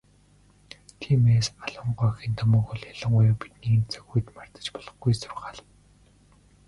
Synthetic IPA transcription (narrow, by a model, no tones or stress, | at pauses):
t̪ʰiːmeːsmaɮə̆ɴɢɔːxiːnt̪ʰɔmɔːkʊɮjaɮə̆ɴɢʊjɔpi̥t̪niːnt͡sœ̥ɣujt̪mar̥t̪ə̥̆t͡ɕpɔɮɞ̆χɡujsʊrʁaːɮ̆w